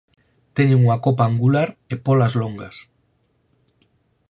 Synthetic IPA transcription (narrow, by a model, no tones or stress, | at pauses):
t̪eɲeŋuŋakop̬aːŋɡulaɾepolazloŋɡas